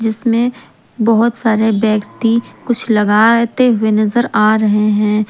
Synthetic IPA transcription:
d͡ʒɪsmẽ | bɐɦʊt̪saːɾebɛ̃ːkt̪ikʊt͡ʃʰlɐɡaːt̪eɦʊenɐzəɾaːɾɐɦeɦɛ̃ː

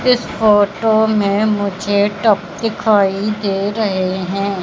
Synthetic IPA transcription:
ɪspoːʈoːmẽmʊd͡ʒʱeːʈəp̚d̪ɪkʰaːid̪eːɾəɦeɦɛ̃ː

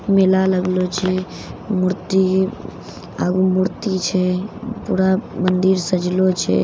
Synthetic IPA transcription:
melaləɡlot͡ʃʰɛ | muɾt̪i | a̰ɡumuɾt̪it͡ʃʰɛpuɾamənd̪iɾsəd͡ʒlot͡ʃʰɛ̰

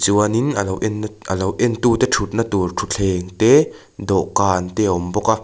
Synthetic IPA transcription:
t͡suaninalowʔɛnʔɐlowʔɛnt̪ut̪ɛʈ͡ʂʰut̪̚nat̪urtʰut͡ɬʰɛːŋt̪ɛ | d̪ɔʔkaːnt̪ɛʔɔmbɔkaʔ

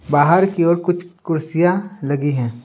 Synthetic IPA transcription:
baːɦəɾkiɔːɾkʊt͡ʃʰkʊɾsijalɐɡiɦɛ̃ː

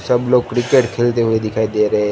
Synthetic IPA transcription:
səbloːɡ̚kɾɪkeːʈkʰeːlt̪eɦued̪ɪkʰaːid̪eɾɐɦe

